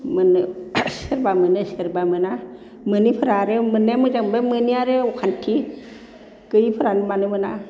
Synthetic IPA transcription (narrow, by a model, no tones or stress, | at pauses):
mənɯseɾbamɯnɨsəɾbamɯna | mɨnipʰəɾaɾemənːemɨd͡ʒambemɯniaɾeukʰantʰi | kəjipʰəɾanimanɨməna